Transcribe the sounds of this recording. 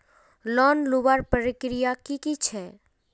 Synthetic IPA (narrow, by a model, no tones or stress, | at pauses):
lɔnluʋaɾpəɾɪkɾijakikit͡ʃʰɛ